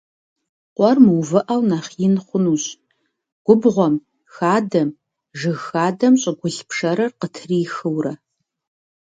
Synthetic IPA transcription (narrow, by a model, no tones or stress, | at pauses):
qʷɔrmɨwvɨʔɐwnaːχjɪnχʷʊnuɕ | ɡ̥ʷʊbʁʷɔm | xaːdɐm | ʒɨɣxaːdɐmɕʼɪɡʷʊɬpʰʂɐɾɐrqətʰriːxɨwrɐ